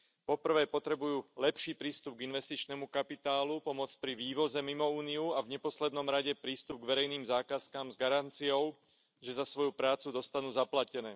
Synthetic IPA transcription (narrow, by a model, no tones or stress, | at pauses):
pɔpr̩ʋɛːpɔt̪ɾɛbujuːlɛpʃiːpɾiːst̪ub̚ɡinʋɛst̪it͡ʃnɛmukapit̪aːlupɔmɔt͡spɾiʋiːʋɔzɛmimɔuːniuavɲɛpɔslɛd̪nɔmɾaɟɛpɾiːst̪ub̚ɡʋɛɾɛjniːmzaːkaskamzɡaɾant͡sijɔʊ | ʒɛzasʋɔjupɾaːt͡sud̪ɔst̪anuːzaplacɛnɛː